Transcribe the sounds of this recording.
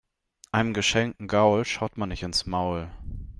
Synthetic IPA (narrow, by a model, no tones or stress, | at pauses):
ʔaɪnəmɡəʃɛŋkŋ̩ɡaʊlʃaʊtmanːɪçtɪnsmaʊl